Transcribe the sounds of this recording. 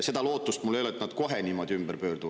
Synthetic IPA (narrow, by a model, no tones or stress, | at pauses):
se̞d̪̥ɑlo̞ːt̪ːˑust̪mulːejolet̪ːnɑd̪̥ko̞ɦenʲiːmo̞d̪̥ʲiymb̥ərpøːrd̪uv